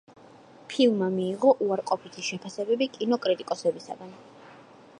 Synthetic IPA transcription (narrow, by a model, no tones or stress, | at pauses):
pʰilˠmamiːʁɔʔuaɾqʼɔpʰit̪ʰiʃɛpʰasɛbɛbikʼinɔkʼɾit̪ʼikʼɔsɛbisa̰ɡ̪an